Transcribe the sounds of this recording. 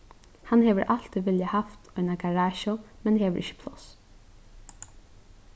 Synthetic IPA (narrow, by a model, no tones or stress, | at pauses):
hanhɛːʋəɾʔal̥t̪iʋɪljahaft̪ɔjnaɡaɹaːʃɔmɛnɦeːʋəɹʔɪçə̥pʰlɔs